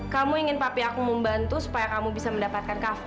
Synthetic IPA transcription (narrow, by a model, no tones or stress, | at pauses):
kamuiŋɪnpapiakuməmbant̪usu̥pajakamubisaməndapat̪̚kankaf